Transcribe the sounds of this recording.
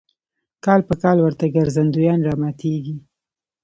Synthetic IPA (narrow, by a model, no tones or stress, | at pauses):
kɑlpəkɑlwəɾt̪aɡaɾzand̪ujɑnɾɑmat̪ʰeɡi